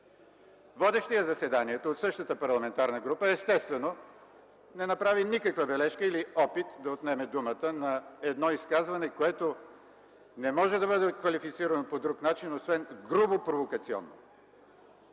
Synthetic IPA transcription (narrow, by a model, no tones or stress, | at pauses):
vɔd̪ɛʃt̪ɛjɛzɐsɛd̪aniɛt̪oːt̪sɤʃt̪ət̪əpɐɾlˠɐmɛnt̪aɾnəɡɾupəɛst̪ɛst̪vɛno | nɛnɐpɾavinikəkvəbɛlɛʃkəiliɔpit̪d̪ɐot̪nɛmɛd̪umət̪ənɐɛd̪nɔiskazvɐnɛkoɛt̪o | nɛmɔʒɛd̪ɐbɤd̪ɛkvɐlifit̪siɾɐnopod̪ɾuknat͡ʃinosvɛnɡɾubopɾovokɐt̪siɔ̰nːo̰